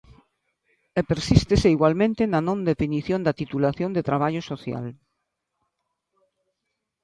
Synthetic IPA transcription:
epeɾsist̪eseiɣwalmẽnt̪enanõnd̪efiniθjõnd̪at̪it̪ulaθjõnd̪et̪ɾaβ̞aʎosoθja̰l

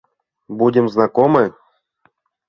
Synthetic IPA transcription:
budʲɪmznakomɨ

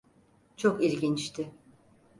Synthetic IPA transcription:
t͡ʃʰokiɾɟint͡ʃt̪ʰɪ

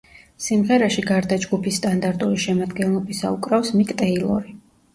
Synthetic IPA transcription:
simʁɛɾaʃiɡaɾd̪ad͡ʒɡupʰisːt̪ʼand̪aɾt̪ʼuɾiʃɛmad̪ɡɛnlˠɔbisa̰ṵkʼɾafsmikʼt̪ʼɛilˠɔ̰ɾi

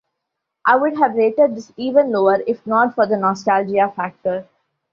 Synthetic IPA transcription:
ʔaɪʋʊɖɦæʋɾeːʈeɖ̚d̪ɪsiːʋə̃nloːəɾɪfnɔːʈfɔɾd̪ənɔːsʈald͡ʒiafæk̚ʈəɾ

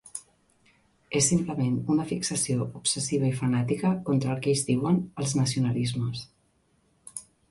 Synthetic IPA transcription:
esːimpləmenunəfiksəsioʔupsəsiβ̞əifənat̪ikəkont̪ɾəlˠkejzdiwənəlˠznəs̬iunəlizməs

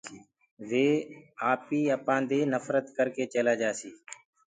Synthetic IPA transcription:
ʋeːaːpiːəpãːnd̪eːnəfɾət̪kəɾkeːt͡ʃeːlaːd͡ʒaːsiː

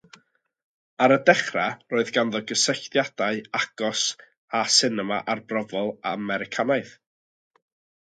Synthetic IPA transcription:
aɾədɛχraroːɨðɡanðɔɡəsəɬtjad̥aɨaɡ̥ɔs | asɪnəma̰ʔarbrɔvɔlˠamɛɾɪkʰanaɨθ

